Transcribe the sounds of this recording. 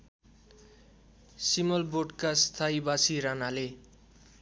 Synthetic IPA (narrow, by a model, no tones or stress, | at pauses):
simʌlboʈkast̪ʰaibasiɾanale